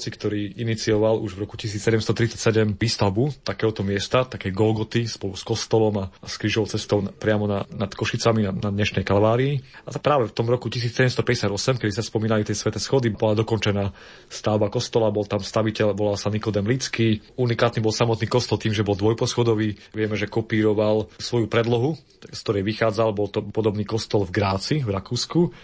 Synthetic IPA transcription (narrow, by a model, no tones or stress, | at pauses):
t͡sikt̪ɔɾiːinit͡siɔʋaluʒvɾɔkucis̬iːt͡ssɛɟɛmst̪ɔt̪ɾit͡sacsɛɟɛmʋiːst̪aʊbut̪akɛːɦɔt̪ɔmɪɛst̪at̪akɛjɡɔlɡɔt̪ispɔluskɔst̪ɔlɔmaskɾiʒɔʊt͡sɛst̪ɔʊpɾɪamɔnanat̪kɔʃit͡samianad̪ɲɛʃnɛjkalʋaːɾiːapɾaːʋɛft̪ɔmɾɔkucis̬iːt͡ssɛɟɛmst̪ɔpɛɟɛsɪad̪ɔsɛmkɛd̪isaspɔmiːnalit̪ɛjsʋɛt̪ɛsxɔd̪ibɔlad̪ɔkɔnt͡ʃɛnaː | st̪aːʊbakɔst̪ɔlabɔlt̪amst̪aʋicɛlbɔlasanikɔd̪ɛmlit͡skiːunikaːt̪niːbɔlsamɔt̪niːkɔst̪ɔlt̪iːmʒɛbɔld̪ʋɔjpɔsxɔd̪ɔʋiːʋɪɛmɛʒɛkɔpiːɾɔʋalsʋɔjupɾɛd̪lɔɦu | skt̪ɔɾɛjʋixaːd͡zalbɔlt̪ɔpɔd̪ɔbniːkɔst̪ɔlvɡɾaːt͡sivɾakuːsku